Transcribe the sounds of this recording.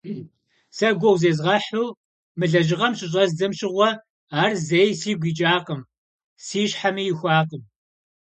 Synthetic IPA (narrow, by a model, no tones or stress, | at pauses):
sɐɡʷɔwzeːzʁɐħuː | mɨɮɐʒɪʁɐmɕʼɪɕ̬ʼɐzd͡zɨmɕɪʁʷɔ | aːrzejsiːɡʷiːt͡ʃʼaːqəm | siːɕħamijɪxʷaːqəm